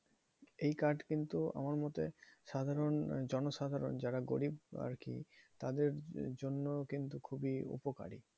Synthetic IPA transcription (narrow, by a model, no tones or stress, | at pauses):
ejkaɖkint̪ua̰maɾmɔt̪eʃad̪ʱaɾond͡ʑɔnoʃad̪ʱaɾo̰nd͡ʑaɾaɡoɽiba̰ɾkḭt̪ad̪eɾd͡ʑonːokint̪ukʰubiṵpoka̰ɾḭ